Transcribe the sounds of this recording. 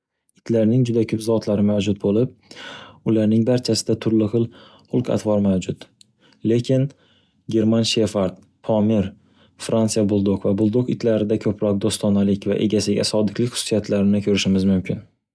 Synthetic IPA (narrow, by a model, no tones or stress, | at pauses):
ɪt̪ʰlaɾnɪŋd͡ʒʊd̪akʲʰɵpzɒt̪ʰlaɾɪmawd͡ʒʊt̪̚bolɪp̚ʊlaɾnɪŋbaɾt͡ʃʰasɪd̪at̪ʰʊɾlɪχɨlˠ | χʊlˠqa̰t̪ʰvɒɾmawd͡ʒʊt̪ | lekʲʰɪn | ɡʲe̞ɾmanʃefaɾd̪̚ | pʰɒmeɾ | fɾant̪sijabʊlˠd̪oqvabʊlˠd̪oqɪt̪ʰlaɾɪd̪akʲʰɵpʰɾɒk̚d̪ost̪ɒnalɪkʲva̰ʔe̞̰ɡʲasɪɡʲa̰sɒd̪ɪkʰʲlɪkʲχʊ̥sʊ̥sijat̪ʰlaɾɪnɪkʲʰɵɾɪʃɪmɪzmʊmkʲʰɪn